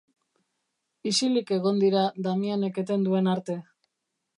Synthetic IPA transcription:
isilike̞ɣ̞o̞nd̪iɾad̪amiane̞ke̞t̪e̞nd̪ue̞naɾt̪e̞

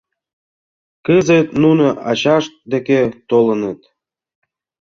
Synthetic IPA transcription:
kəzet̪nunoʔɑt͡ɕɑʃt̪̚d̪eket̪olənət̪̚

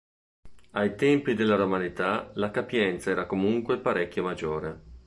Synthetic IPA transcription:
ajt̪ɛmpid̪elːaɾomanit̪alakapjɛnt̪saɛːɾakomuŋkwepaɾekʲːjomad͡ʒːoːɾe

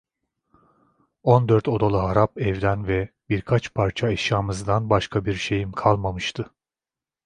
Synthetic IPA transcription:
o̞nd̪øɾt̪ʰo̞d̪alˠɯɦaɾapɛvd̪ænvɛ | biɾkʰat͡ʃpʰaɾt͡ʃʰaɛʃjaːmɯzd̪anbaʃkʰabiɾʃe̞jimkʰalˠmamɯʃt̪ʰɯ

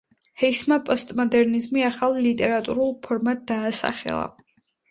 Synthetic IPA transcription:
hɛismapʼɔst̪ʼmɔd̪ɛɾnizmiaχalˠːit̪ʼɛɾat̪ʼuɾulˠpʰɔɾmat̪̚d̪aːsa̰χɛ̰lˠa̰

